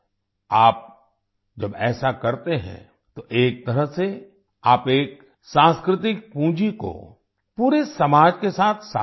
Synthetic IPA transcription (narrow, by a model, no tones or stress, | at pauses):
aːp̚ | d͡ʒɐbɛːsakɐɾt̪eɦɛ̰̃ | t̪oʔeːk̚t̪ɐɾəɦse | aːpeːk̚ | sãːskɾɪt̪ɪk̚pũːd͡ʒiko̰ | puːɾesɐmaːd͡ʒkesaːt̪ʰsa